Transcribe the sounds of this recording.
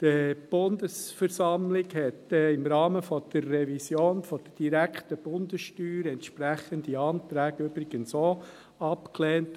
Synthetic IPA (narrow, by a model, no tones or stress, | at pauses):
d̥əb̥ʊnd̪əsfɛɾsɑmlɪɡhɛtɪmɾɑːməfɔd̪̥ərːɛvisjoːnfɔd̥əd̥iɾækχtəb̥ʊndəsʃtyːɾɛntʃpɾæχəndiɑːnt̪ɾæːɡ̥əʏbɾɪɡ̥ənso | ɑpklɛːnt